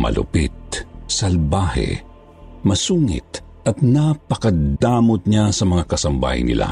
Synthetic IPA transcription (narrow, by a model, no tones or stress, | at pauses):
mɐ̰lʊ̰pit̪̚sɐlbaːhɛ̰ | mɐsuːŋɪ̰t̪̚ | ʔɐt̪̚napɐkɐd̪aːmot̪̚ɲasɐmɐŋakɐsɐmba̰ːhɪ̰nːɪ̰lʔa̰